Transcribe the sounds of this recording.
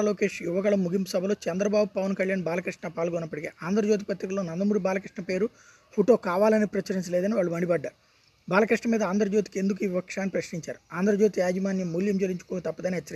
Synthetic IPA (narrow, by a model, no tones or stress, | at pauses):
loːke̞ːʂjuʋɐɡɐɭɐmːuɡimpusɐbʱɐlo̞ːt͡ʃɛnd̪ɾɐbaːbupɐʋɐnkɐɭjaːnbaːlɐkɾiʂʈɳɐpaːlɡɔːnːɐpːɐɽikeːʔaːnd̪ɐɾɐd͡ʒoːt̪̬ipɐt̪ɾikɐloːnɐnd̪ɐmuːɾibaːlɐkɾiʂʈɳɐpe̞ːɾu | foʈo̞ːkaːʋaːlɐnipɾɐt͡ʃɐɾiɲt͡ʃɐleːd̪ɐniʋaːɭːumɐɳɖibɐɖːaːɾ | baːlɐkɾiʂʈɳɐmiːd̪ɐaːnd̪ɾɐd͡ʒo̞ːt̪i̥kend̪uk̬uiːʋipɐkʂaːnːipɾɐʃniɲt͡ʃaːɾuaːnd̪ɐɾɐd͡ʒoːt̪iaːd͡ʒimaːnjɐmːuljɐmd͡ʒeɾiɲt͡ʃukɔːɡɐt̪ɐpːɐd̪ɐniɦɐt͡ʃːɐɾ